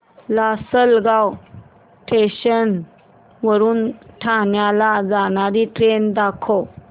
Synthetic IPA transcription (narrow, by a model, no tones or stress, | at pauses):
lasəlɡaw | ʈʰeɕən | ʋəɾuːnʈʰaɳjalad͡zanaɾiːʈɾend̪akʰo